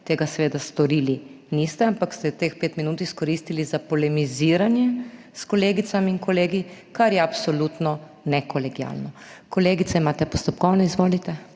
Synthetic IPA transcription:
t̪eːɡasɛʋeːd̪ast̪ɔɾiːli | niːst̪ɛampakst̪ɛt̪eːxpeːt̪minuːt̪iskɔɾiːst̪ilizapɔlɛmiziːɾanjɛ | skɔleːɡit̪samiiŋkɔleːɡikaɾjɛapsɔlut̪nɔ | nɛkɔlɛɡia̰lnɔkɔleːɡit̪sɛimaːt̪ɛpɔst̪ɔpkɔwnɛizʋoːlit̪ɛ

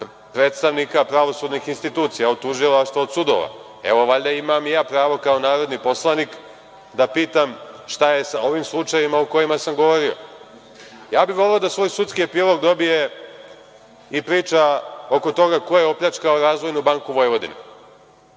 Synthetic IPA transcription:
pɾeːt̪st̪aʋnikapɾaʋo̞sud̪nixinst̪it̪uːt̪sijaot̪ːuʒilˠaʃt̪ʋaod̪sud̪o̰ʋa̰ | e̞ʋo̞ʋaʎd̪aimamjaːpɾaːʋo̞kao̞naːɾo̞d̪nipo̞slˠanik | d̪apiːt̪amʃt̪aje̞sao̞ʋimslˠut͡ʂajimaoko̞jimasamɡo̞ʋo̞ɾio̰ | jaːbiʋo̞leod̪asʋo̞ːjsut̪skiepilˠo̞ɡd̪o̞bije | ipɾiːt͡ʃao̞ko̞t̪o̞ɡako̞jeo̞pʎʲat͡ʃkaoɾaːzʋo̞jnubaŋkuʋo̞jʋo̞d̪ḭne

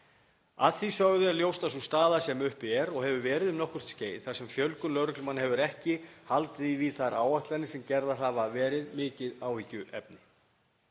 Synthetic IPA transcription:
aðθisœɣðʏaljowst̪asust̪aːðasɛmʏhpɪɛɾɔɣhɛvʏvɛːɾɪðʏmnɔhkʏr̥t̪sceːjðθasɛmfjœlkʏlœɥɾʏklʏmanhɛvʏɾɛhcɪhalt̪ɪðiviθaɾaːwaht̪lanɪsɛmcɛɾðaɦaːvavɛːɾɪðmɪːcɪðaːwhicːʏʔɛ̰p̚nɪ

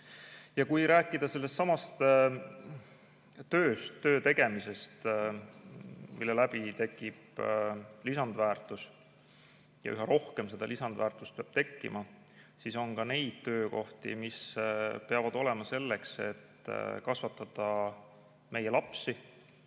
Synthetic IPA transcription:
jɑkujɾæːkːˑid̪̥ɑse̞lːe̞st̪sɑmɑst̪ | t̪ø̞ːst̪ːø̞ːt̪e̞ɡ̥e̞mise̞st̪ | milːelæb̥it̪e̞kːˑib̥ | lisɑnd̪̥væːrt̪ˑus | jɑ̰ʔyɦɑɾo̞hke̞mse̞d̪̥ɑ̰lisɑnd̪væːrt̪ˑust̪̚peɑb̥t̪e̞kːḭmɑ | siso̞nkɑne̞jd̪̥̚t̪ø̞ːko̞ht̪ḭmispe̞ɑvɑd̪̥o̞le̞mɑse̞lːe̞kse̞t̪ːkɑsvɑt̪ːˑɑd̪̥ɑ | me̞jelɑpsi

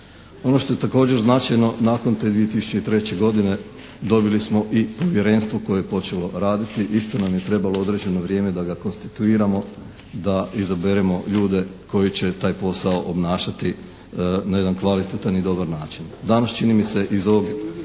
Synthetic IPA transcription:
o̞no̞ʃt̪o̞je̞t̪ako̞ːd͡ʑe̞ɾznaːt͡ʃajno̞naːko̞nt̪e̞d̪ʋije̞t̪isu̥t͡ɕe̞it̪ɾe̞t͡ɕe̞ɡo̞d̪ine̞ | d̪o̞bilismo̞ʔipo̞ʋje̞ɾe̞ːnst̪ʋo̞ko̞jejepo̞t͡ʃe̞lo̞ɾaːd̪it̪iʔist̪o̞namjet̪ɾe̞baloo̞d̪ɾe̞d͡ʑe̞no̞ʋɾje̞ːme̞d̪aɡako̞nst̪i̥t̪uiːɾamo̞ | d̪aizabeɾemo̞ʎuːd̪e̞ko̞jit͡ɕe̞t̪aːjpo̞sao̞ʔobnaːʃat̪i | naje̞d̪ankʋalit̪et̪anid̪o̞baɾnaːt͡ʃind̪anast͡ʃinimiseʔizo̞ʋo̞ɡ

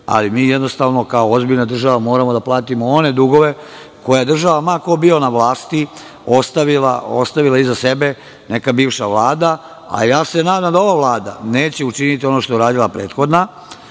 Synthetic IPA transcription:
a̰limiːjed̪no̞st̪aʋno̞kaoozbiʎnad̪r̩ʒaʋamo̞ːɾamo̞d̪aplaːt̪imoone̞d̪uɡo̞ʋe̞ | ko̞jad̪r̩ʒaʋamakobio̞naʋlaːst̪i | o̞st̪aʋila̰ost̪aʋilˠaizase̞be | ne̞kabiːʋʃaʋlˠaːd̪a | a̰jaːse̞naːd̪amd̪ao̞ʋaʋlaːd̪a̰ne̞ːt͡ɕeut͡ʃinit̪io̞noʃt̪ouɾaːd̪ilapɾe̞ːt̪xo̞d̪na

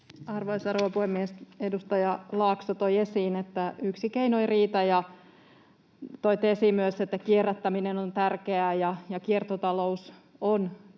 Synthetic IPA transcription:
ɑrʋoisɑrowʋɑpuhemːiesedust̪ɑjɑlɑːksot̪oiesiːnet̪ːæyksikeinoiriːt̪ɑjɑ | t̪oit̪esimyøset̪ːækierːet̪ːæminenont̪ærkeæːjɑjɑkiert̪ot̪ɑlous | on

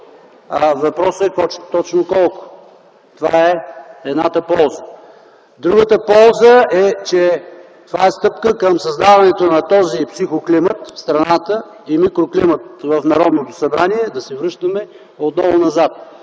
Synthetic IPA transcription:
avɐpɾɔsɛkɔt̪ɔt͡ʃnokɔlˠkʊ̥ | t̪ova̰ɛɛd̪na̰t̪əpɔlˠzə | d̪ɾuɡət̪əpɔlˠzəɛt͡ʃɛ | t̪ovaɛst̪ɤpkəkəmsɐzd̪avɐnɛt̪onɐt̪ɔzipsixoklimət̪fst̪ɾɐnat̪ə | imikɾoklimət̪̚vəfnɐɾɔd̪not̪osɐbɾaniɛd̪ɐsɛvɾɤʃt̪əmɛ | ot̪nɔvʊnɐzat̪̚

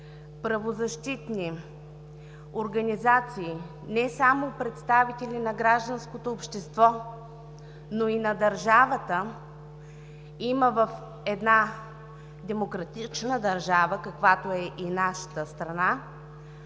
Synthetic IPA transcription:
pɾɐvozɐʃt̪it̪ni | oɾɡɐnizat̪siː | nɛsamopɾɛt̪st̪avit̪ɛlʲinɐɡɾaʒd̪ənskot̪oːpʃt̪ɛst̪vɔ | noinɐd̪ɐɾʒavət̪ə | iməvəf | ɛd̪na | d̪ɛmokɾɐt̪it͡ʃnəd̪ɐɾʒavəkɐkvat̪oɛʔinaʃə̥t̪əst̪ɾɐna

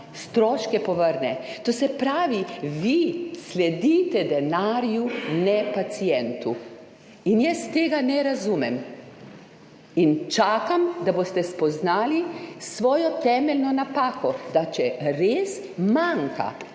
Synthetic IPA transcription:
st̪ɾɔːʃkɛpɔʋəɾnɛt̪oːsɛpɾaːʋiʋislɛd̪it̪ɛd̪ɛnaːɾjunɛpat̪sijɛnt̪u | injɛst̪eːɡanɛɾazuːmɛm | int͡ʃaːkamd̪abost̪ɛspɔznaːlisʋɔːjɔt̪ɛmɛlnɔnapaːkɔd̪at͡ʃɛɾeːs | maŋka̰

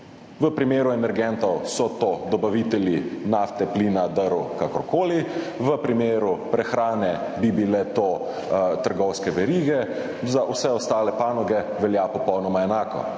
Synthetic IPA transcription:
ʋəpɾimeːɾuɛmɛɾɡɛnt̪ɔwsɔt̪od̪ɔbaʋit̪ɛljinaft̪ɛplinad̪əɾukakɔɾkoːli | ʋəpɾimeːɾupɾɛxɾaːnɛbibilɛt̪o | t̪əɾɡɔwskɛʋɛɾiːɡɛ | zaʔusɛɔst̪aːlɛpaːnɔɡɛ | ʋɛljapɔpɔwnɔmaɛnaːkɔ̰

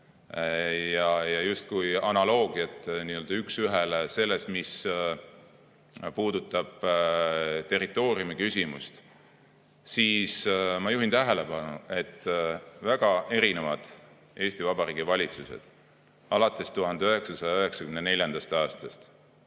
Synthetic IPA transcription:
jɑjɑjust̪̚kujɑnɑlo̞ːɡ̥iɑt̪ːˑniːøld̪̥ɑyksyɦelese̞lːe̞st̪mis | puːd̪̥ut̪ˑːɑb̥ | t̪e̞rit̪ːˑo̞ːriumikysʲimust̪ | siːsmɑjuɦint̪æɦele̞pɑnṵe̞t̪ːvæɡ̥ɑe̞ɾine̞vɑd̪̥ | e̞ːsʲt̪ivɑbɑɾiːɡ̥ivɑlʲit̪suse̞̰d̪̥ | ʔɑlɑt̪ːˑe̞st̪uɦɑnd̪eø̞ɦe̞ksɑsɑjɑøɦe̞ksɑkymnene̞lʲjɑnd̪̥ɑst̪ɑːst̪ɑst̪

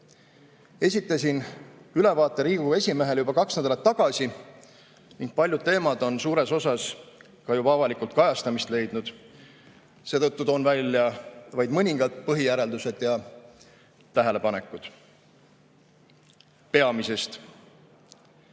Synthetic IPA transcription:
e̞sʲit̪ːˑɑsʲinyle̞vɑːt̪ːˑe̞ɾiːɡue̞sʲime̞ɦe̞ljubɑkɑksnænd̪ɑlɑt̪ːɑɡ̥ɑsʲi | niŋɡ̥̚pɑlʲjud̪̥̚t̪e̞ːmɑd̪o̞nsuːɾe̞so̞sɑs | kɑjuɑvɑlikˑult̪̚kɑjɑst̪ɑmist̪le̞jd̪̥nud̪̥ | se̞ːt̪ɤt̪ːut̪o̞ːnvælʲjɑvɑjd̪̥mɤnʲiŋɡ̥ɑlt̪̚pɤɦijæɾe̞ld̪use̞d̪̥jɑ | t̪ːæɦe̞le̞pɑne̞kːˑud̪̥ | pe̞ɑmise̞st̪

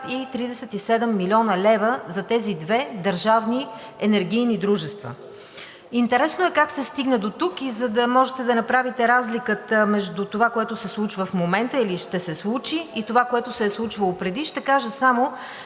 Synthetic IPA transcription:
it̪ɾid̪ɛsɛt̪isɛd̪ɛmːilʲiɔnəlɛvəzɐt̪ɛzid̪vɛd̪əɾʒavni | ɛnɛɾɡʲijnid̪ɾuʒɛst̪və̰ | int̪ɛɾɛsnoɛkaksɛst̪iɡnəd̪ot̪ukizəd̪ɐmɔʒɛt̪ɛd̪ɐnɐpɾavit̪ɛɾazlikət̪əmɛʒd̪ut̪ovakoɛt̪ʊsɛslˠut͡ʃvəfmomɛnt̪əiliʃt̪ɛsɛslˠut͡ʃiːt̪ovakoɛt̪ʊsɛːslˠut͡ʃvəlˠopɾɛd̪iʃt̪ɛkaʒəsamo

